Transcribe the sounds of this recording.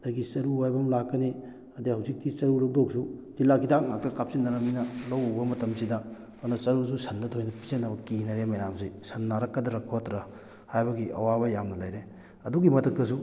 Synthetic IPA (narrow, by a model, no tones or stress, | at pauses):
dɐɡisɐɾuajbɐmlakːɐni | ɐdihɐwzik̚tisɐɾuɾɐk̚doksuzilakʰidak̚nak̚tɐkap̚sinːɐɾɐminɐlɐwbɐmɐtɐmsidɐ | onɐsɐɾus̬usɐndɐtʰojnɐpizɐnːɐbɐkinɐɾemɐjamsisɐnːaɾɐkːɐdɐɾɐkʰːotɾɐ | hajbɐɡiʔɐ̰wabɐjamnɐlɐjɾe | ɐduɡimɐtʰɐk̚tɐsu